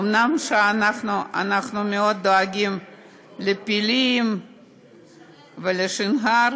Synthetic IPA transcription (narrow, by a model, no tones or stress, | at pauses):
omnamʃeanaχnuʔa̰naχnumeod̪ːoaɡim | lepilim | veleʃinɦaɾ